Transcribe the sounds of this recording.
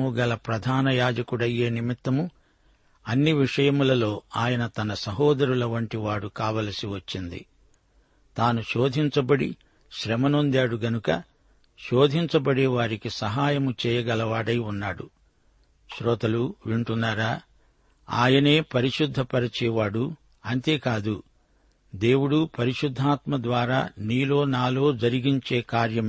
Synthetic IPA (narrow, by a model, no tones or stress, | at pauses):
uɡɐlɐpɾɐd̪ʱaːnɐjaːd͡ʒɐkuɽɐjːe̞ːnimit̪ːɐmu | ɐnːiʋiʂɐjɐmulɐlo̞ːaːjɐnɐt̪ɐnɐsɐɦɔːd̪ɐɾulɐʋɐɳʈiʋaːɽukaːʋɐːlɐsiʋɐt͡ʃːind̪ḭ | t̪aːnuʃoːd̪ʱiɲt͡ʃɐbɐɽi | ʃɾɛmɐno̞nd̪aːɽuɡɐnukɐ | ʃoːd̪ʱiɲt͡ʃɐbɐɽeːʋaːɾikisɐɦaːjɐmut͡ʃɛːjɐɡɐlɐʋaːɽɐjunːaːɽṵ | ʃɾɔːt̪ɐluʋiɳʈunːaːɾaː | a̰ːjɐneːpɐɾiʃud̪ʱːɐpɐɾɐt͡ʃɛːʋaːɽu | ɐnt̪e̞ːkaːd̪u | d̪e̞ːwuɽupɐɾiʃud̪ʱːaːt̪mɐd̪ʋaːɾaːniːlo̞ːnaːlo̞ːd͡ʒɐɾiɡiɲt͡ʃe̞ːkaːɾjɐm